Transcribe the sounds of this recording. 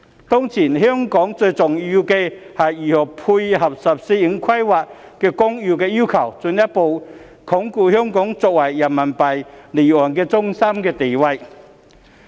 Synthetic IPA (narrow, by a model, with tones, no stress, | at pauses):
t̪ɔː˥ŋt͡sʰiː˨˩nhœ˥ŋkɔː˨˥ŋt͡sɵ˧ɥt͡sʊ˨ŋji˧wkɛː˧hɐ˨˩jiː˨˩hɔ˨pʰu˧jhɐ˨p̚sɐ˨p̚se˧i˨˥ŋkʰwɐ˥jwaː˨k̚kɛː˧kʊ˥ŋju˧kɛː˧ji˥wkʰɐ˨˩wt͡sʊ˧njɐ˥t̚po˨w | kʰʊ˨˥ŋkuː˧hœː˥ŋkɔː˨˥ŋt͡sɔ˨k̚wɐ˨˩jːɐ˨˩nmɐ˨˩npɐ˨jli˨˩ɔː˨˩nkɛː˧t͡sʊ˥ŋsɐ˥mkɛː˧t̪e˨jwɐ˧j